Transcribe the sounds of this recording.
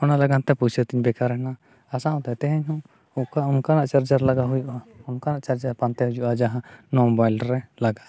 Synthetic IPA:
ɔnalaɡant̪ɛput͡ʃʰət̪iɲbɛkaɾɦɛna | asaʔɔ̃t̪ɛt̪ɛɦɛɲɦɔ̃ | ɔʔkaɔnkanaʔt͡ʃaɾd͡ʒaɾlaɡaɦujuʔaɔnkanaʔt͡ʃaɾd͡ʒapant̪ɛɦud͡ʒuʔad͡ʒaɦãnɔmɔbajlɾɛlaɡaʔ

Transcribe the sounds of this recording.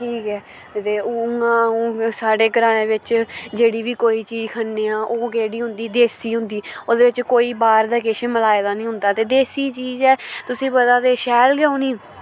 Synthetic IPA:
ʈʰiːkɛː | t̪eːoːʊŋãːɦũːsaːɖeːkəɾãːnẽːʋɪt͡ʃd͡ʒeːɽiːʋiːkoːiːt͡ʃiːd͡ʒkʰənːeːãːʔoːkeːɽiːɦʊ̃nd̪iːd̪eːsiːɦʊ̃nd̪iːoːd̪eːʋɪt͡ʃkoːiːbaːɾd̪aːkeːʃeːməlaːeːd̪aːnĩːɦʊ̃nd̪aːt̪eːd̪eːsiːt͡ʃiːzɛːt̪ʊsĩːpət̪aːt̪eːʃɛːlɡɛõːniː

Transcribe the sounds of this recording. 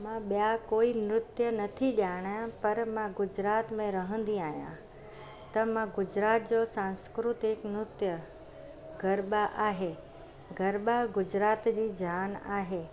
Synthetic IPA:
mãɓijakoːimɾʊt̪jənɐt̪ʰiɗjaːɽ̃jãpɐɾmãɡʊd͡ʑɾaːt̪mẽɾɐɦə̃n̆d̪iaːɦijã̰ | t̪ɐmãɡʊd͡ʑɾaːt̪̚d͡ʑoːsãːnskɾʊt̪ɪknɾʊt̪jə | ɡʱɐɾɓaʔaːɦeː | ɡʱɐɾɓaɡʊd͡ʑɾaːt̪d͡ʑiːd͡ʑʱaːnaːɦeː

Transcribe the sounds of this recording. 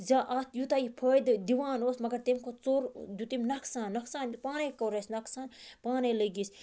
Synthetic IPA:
zaːʔaːt̪ʰjut̪ajipʰoːjd̪ɨd̪iʋaːnoːsmɐɡɐɾt̪imkʰot͡soːɾd̪ut̪imʲnɐksaːnːɐksaːnpaːnekɐːɾesnɐksaːnpaːneləɡis

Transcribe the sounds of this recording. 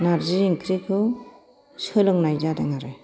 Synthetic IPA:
naɾziɾiŋkʰɾikʰɯ | sɯlɯŋnajzadaŋaɾɯj

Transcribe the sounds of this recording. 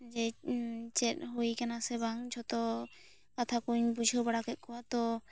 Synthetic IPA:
d͡ʒɛt͡ʃɛt̪̚ɦojkanasɛbaŋd͡ʒʰʱɔt̪ɔ | kat̪ʰakuɲbud͡ʒʱɔbaɽakɛt̪̚kɔwat̪ɔ

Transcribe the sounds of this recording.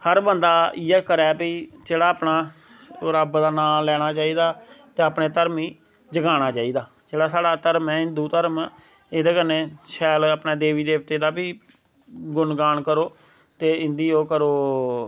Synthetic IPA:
həɾbənd̪aːɪjɛːkəɾɛːpiːd͡ʒeːɽaːpnaː | oːɾaːbd̪aːnãːlɛːɽ̃aːt͡ʃaːiːd̪aːt̪eːapneːt̪əɾmiː | d͡ʒəɡaːɽ̃aːt͡ʃaːiːd̪aː | d͡ʒeːɽaːsaːɽaːt̪əɾmɛ̃ːɪnd̪uːt̪əɾəm | ɪd̪eːkəneːʃʰɛːloəpneːd̪eːʋiːd̪eːʋt̪eːd̪aːbiː | ɡʊnɡaːɳkəɾoː | t̪eːɪ̃nd̪iːoːkəɾoː

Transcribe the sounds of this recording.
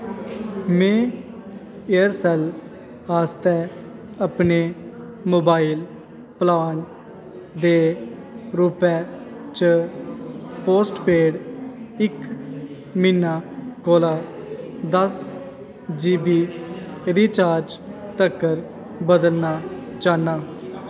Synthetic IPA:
mɛ̃ː | eəɾsɛl | aːst̪ɛː | əpneː | moːbaːil | plaːn | d̪eː | ɾuːpɛː | t͡ʃə | poːsʈpeːɽɪk | minːaːkoːlaːd̪əs | d͡ʒiːbiː | ɾiːt͡ʃaːɾd͡ʒt̪əkːəɾ | bəd̪əlnaːt͡ʃaːnaː

